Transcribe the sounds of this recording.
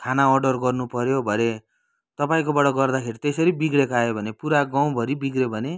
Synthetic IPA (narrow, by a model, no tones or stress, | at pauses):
kʰanaʌrɖʌrɡʌrnupʌɾjobʱʌne | t̪ʌpaĩkobʌɽʌɡʌrd̪akʰeɾit̪esʌɾibiɡɽekoajobʱʌnepuɾaɡaw̃bʱʌɾibiɡɾebʱʌne